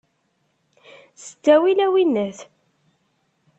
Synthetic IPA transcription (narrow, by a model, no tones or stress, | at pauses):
sə̥t͡sːæwilæwinːəθ